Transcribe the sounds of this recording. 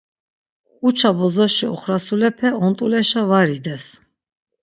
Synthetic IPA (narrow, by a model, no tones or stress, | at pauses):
ut͡ʃʰabɔzɔʃiɔ̰χɾasulɛpʰɛɔnt̪ʼulɛʃavaɾid̪ɛs